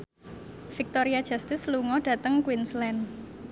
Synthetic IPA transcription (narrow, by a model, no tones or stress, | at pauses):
fik̚t̪ɔɾiad̥ʒ̥ast̪ɪsluŋɔɖ̥ä̤t̪əŋkwinslɛn